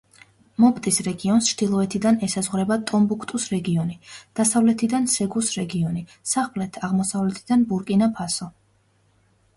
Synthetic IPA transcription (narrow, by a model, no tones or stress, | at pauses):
mɔpt̪ʼisɾɛɡiɔnst͡ʃʰd̪̥ilˠɔɛt̪ʰid̪anɛsazʁɾɛbat̪ʼɔmbukʰt̪ʼusɾɛɡiɔnid̪̥asavlɛt̪ʰid̪ansɛɡusɾɛɡiɔni | saχplɛt̪ʰaʁmɔsavlɛt̪ʰid̪anbuɾkʼinapʰasɔ